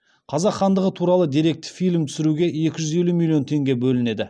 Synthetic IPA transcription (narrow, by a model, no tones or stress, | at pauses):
qʰɑzɑqχːɑnd̪əʁət̪ʰuɾɑlˠəd̪iɾe̞k̚t̪fijlʲmt̪ʰʏ̥sɪɾuɡʲe̞e̞kʲɪʒʏze̞lumʲilʲˠijo̞nt̪ʰe̞ŋɡʲe̞bɵlɪne̞d̪ɪ